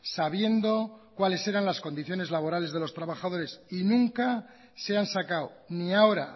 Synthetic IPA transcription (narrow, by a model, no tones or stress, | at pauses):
saβ̞je̞nd̪o̞kwale̞se̞ɾanlasko̞nd̪iθjo̞ne̞zlaβ̞o̞ɾale̞zðe̞lo̞st̪ɾaβaxað̞o̞ɾe̞sinũŋka | se̞ansakawniao̞ɾa̰